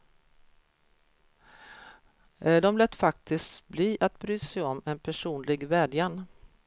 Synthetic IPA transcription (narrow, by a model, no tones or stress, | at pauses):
ɖ̪ɔmlɛt̪ːfak̚t̪ʰɪskt̪bliːʔat̪̚bɾyːt̪sɛjɔmːɛnpʰæʂuːnlɪɡvɛːɖjan